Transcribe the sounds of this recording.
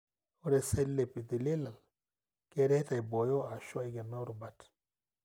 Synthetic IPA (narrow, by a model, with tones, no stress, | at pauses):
o˦ɾe˨se˦lːe˨pi˨d̪i˨le˦la˨l | ke˦ɾe˦ta˨jbo˨jo˦a˨ʃo˦i˦ɡe˨no˦ɾu˨ba˨t